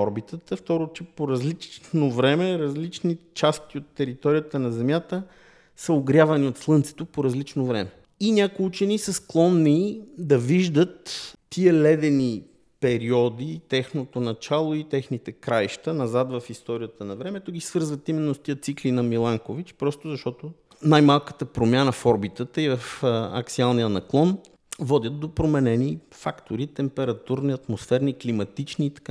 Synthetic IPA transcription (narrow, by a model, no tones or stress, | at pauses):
ɔɾbit̪ət̪əft̪ɔɾot͡ʃɛpoɾɐzlit͡ʃnovɾɛmɛɾɐzlit͡ʃnit͡ʃast̪iot̪ːɛɾit̪ɔɾijət̪ənɐzɛmjat̪ə | səoɡɾjavɐniot̪slˠɤnt̪sɛ̥t̪opoɾɐzlit͡ʃnovɾɛmɛ | inʲakʊjut͡ʃɛnisəsklˠɔnːid̪ɐviʒd̪ət̪ː | iəlɛd̪ɛni | pɛɾiɔd̪it̪ɛxnot̪onɐt͡ʃalˠoit̪ɛxnit̪ɛkɾajʃt̪ənɐzat̪vɐfist̪ɔɾijət̪ənɐvɾɛmɛt̪oɡʲisvɤɾzvət̪imɛnːost̪iət̪siklinɐmilˠaŋkovit͡ʃpɾɔst̪ozɐʃt̪ɔt̪o | najmalˠkə̥t̪əpɾomʲjanəfɔɾbit̪ət̪əivɐfɐ̰ksialˠnijənɐklˠɔn | vɔd̪ʲjət̪̚d̪opɾomɛnɛnifakt̪oɾit̪ɛmpɛɾɐt̪uɾniɐt̪mosfɛɾniklimɐt̪it͡ʃniːt̪ɐ̥ka